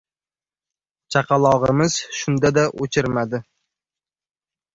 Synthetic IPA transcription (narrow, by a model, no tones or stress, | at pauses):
t͡ʃʰɑqʰɑlˠɒʁɨmɪz̥ʃʊnd̪ad̪aʔot͡ʃʰɪɾmad̪ɪ